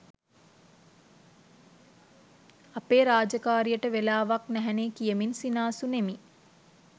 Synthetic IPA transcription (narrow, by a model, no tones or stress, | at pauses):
apeːɾaːd͡ʒəkaːɾijəʈəʋelaːʋaknæɦɛnekijəminsinaːsunemi